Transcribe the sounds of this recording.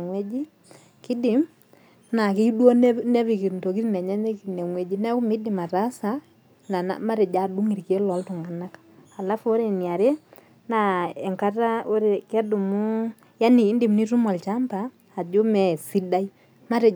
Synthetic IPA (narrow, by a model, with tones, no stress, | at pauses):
ŋwe˦d͡ʒi˦ | kɪ˦dɪ˨m | na˨ki˦do˦nnɛ˦vi˨ki˨nto˨k̬i˦tnɛ˨ɲɛ˦ɲe˦knɛ˨ŋwe˦d͡ʒi˦nɛ˦kʊ˦mɪ˦dɪ˨ma˨ta˦sa˨ | na˨na̰˨ma˦ɾɛ˨d͡ʒa˨du˦ŋi˨ɾke˦lɔ˨˦ltʊ˨ŋa˨na˦k | a˨la˦fo˦ɾe˨ni˨a˨ɾe˦ | na˨ɛ˨ŋka˦ta˦o˦ɾe˨kɛ˦du˨mu˦ | ja˦niː˨˦ndɪ˨mni˦tu˦mɔ˨lt͡ʃa˦mpaː˨ | d͡ʒo˦mɛ˨si˦da˦i˦ | ma˦ɾe˨